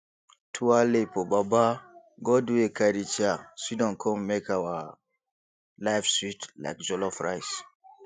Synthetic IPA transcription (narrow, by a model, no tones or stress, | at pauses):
tʰualepobaba | ɡɔduekʰaɾit͡ʃaswidɔ̃nkʰɔ̃mmekawa | laɪfswitla̰kd͡ʒɔlɔfɹa̰js